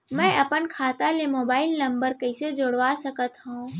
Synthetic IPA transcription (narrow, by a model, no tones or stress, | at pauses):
mɛ̃ːʔɐpənkʰaːt̪alemoːbaːɪlnɐ̃mbəɾkɐɪsed͡ʒoɽʋasɐkət̪ɦũ